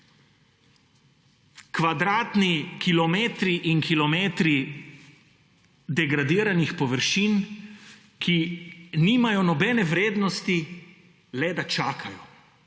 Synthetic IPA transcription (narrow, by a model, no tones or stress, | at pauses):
kʋad̪ɾaːt̪nikilɔmeːt̪ɾiʔinkilɔmeːt̪ɾi | d̪ɛɡɾad̪iːɾanixpɔʋəɾʃiːn | kʰiniːmajɔnɔbɛːnɛʋɾeːd̪nɔst̪i | lɛd̪at͡ʃaːkʰajɔ